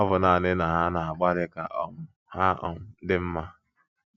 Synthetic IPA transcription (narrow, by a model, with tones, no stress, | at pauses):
ɔ˦bʊ˨na˨nɪ˦na˨ɦa˦na˨a˨ɡ͡ba˦ɾɪ˦ka˨ʔɔ˦m̩˦ | ha˦ɔ̰˨m̩˨˦dɪ˦m̩˦ma˦